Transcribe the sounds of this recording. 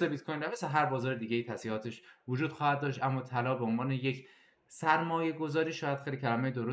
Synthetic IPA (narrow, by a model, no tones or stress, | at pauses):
ebit̪kʰojnɾæmeseɦæɾbɒːzɒːɾed̪iːɟejit̪ʰæsihɒːt̪ʰe̞ʃvod͡ʒuːd̪xɒːhæd̪̚ːɒːʃt̪ʔæmːɒːt̪ʰælɒːbeonvɒːnejecʰ | sæɾmɒːje̞ɡo̞zɒːɾiːʃɒːjæd̪xejlʲicʰælæmejd̪oɾo